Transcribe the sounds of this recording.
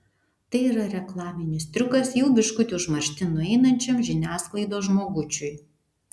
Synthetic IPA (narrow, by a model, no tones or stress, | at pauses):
t̪ɐɪiːɾɐɾʲɛklˠɑːmʲɪnʲɪst̪ʲɾʲʊkɐsjɛʊbʲɪʃkʊt̪ʲʊʒmɐɾʲʃʲt̪ʲɪnʊɛɪnɐnʲt͡ʃʲɛmʒʲɪnʲæːsklˠɐɪd̪oːʒmoːɡʊt͡ʃʲʊj